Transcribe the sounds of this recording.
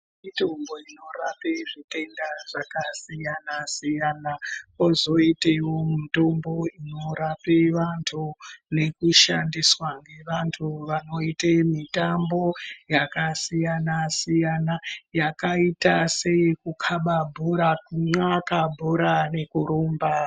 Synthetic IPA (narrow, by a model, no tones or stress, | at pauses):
mitombo̞ino̞rapeʐite̞ndaʐ̥akasijanasijanakozo̞itewomito̞mbo̞ino̞ɾapeʋantʰune̞kuʃandiswaŋɡe̞ʋantʰuʋano̞itemitambo̞jakasijanasijanajakaitase̞ikukʰaɓabʱoɾakuŋ͡ǀakabʱuɾane̞kuɾomba